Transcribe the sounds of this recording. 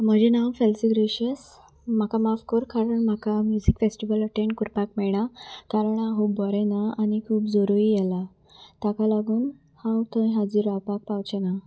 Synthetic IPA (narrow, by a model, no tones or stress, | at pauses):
m̤əd͡ʑinamfelsiɡɾeɕəs | m̤akamafkɔɾkaɾəɳm̤akamjud͡zikfesʈiʋələʈẽɳʈkuɾpakmɛɭɽ̃at̪aɾɳãɦuːbːɔɾɛnaañikʰuːpd͡zɔɾuɾijɛla | t̪akalaɡuːn | hãwt̪ə̃jɦad͡ʑiɾapak̚pawt͡ɕɛna